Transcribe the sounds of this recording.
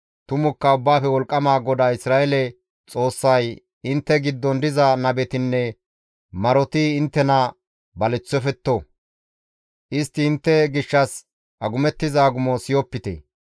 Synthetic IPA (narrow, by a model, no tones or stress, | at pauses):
t̪ʊmʊkːɐʊbːaːfɛwɔlkʼːɐmaːɡɔd̪aːɪsɾaːʔɛlɛ | t͡sʼo̞ːsːɐj | ɪnt̪ːɛɡɪd̪ːɔnd̪ɪzɐnɐbɛt̪ɪnːɛ | mɐɾɔt̪iːnt̪ːɛnɐ | bɐlɛt͡sːɔfɛt̪ːo | ʔɪst̪ːɪːnt̪ːɛɡɪʃːɐs | ʔɐɡʊmɛt̪ːɪzaɡʊmɔsɪjɔpːɪt̪ḛː